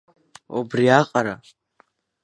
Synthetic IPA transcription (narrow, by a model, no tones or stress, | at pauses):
obriaqʼaɾa